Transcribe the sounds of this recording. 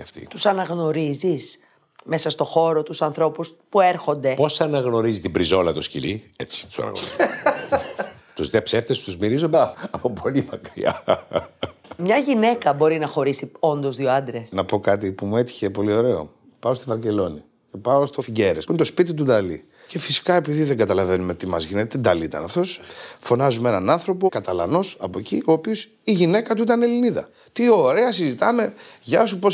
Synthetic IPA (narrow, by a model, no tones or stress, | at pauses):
ɐ̰ft̪ḭt̪usɐnɐɣno̞ɾizis | me̞sɐst̪o̞xo̞ɾo̞t̪usɐnθɾo̞puspue̞ɾxo̞nd̪e̞po̞sɐnɐɣno̞ɾizit̪ibɾizo̞lɐt̪oscḭliet͡si̥t̪u̥sɐ̰nɐ̰ɣno̰ɾi | t̪uzðepseft̪est̪uzmiɾizond̪ɐɐpopʰo̞limɐkɾḭɐ̰ | mɲɐʝine̞kɐbo̞ɾinɐxo̞ɾisio̞nd̪ozðioɐnd̪ɾesnɐpo̞kɐt̪̬ipumue̞t̪i̥çe̞po̞lio̞ɾe̞o̞̰ | pɐost̪ovɐɾce̞lo̞ni | ce̞pɐost̪ofiɟeɾespuinet̪o̞spit̪̬it̪̬ud̪ɐlḭ | ce̞fisi̥kɐe̞piðiðe̞ŋɡɐt̪ɐlɐve̞numet̪imɐzʝinet̪ed̪ɐliit̪ɐ̰nɐft̪o̞sfo̞nɐzumenɐnɐnθɾo̞po̞kɐt̪ɐlɐno̞sɐpo̞eciʔo̞ːpios | iʝine̞kɐt̪̬uit̪ɐneliniðɐ̰ | t̪io̞ɾe̞ɐsizit̪ɐme̞ʝɐsupo̞s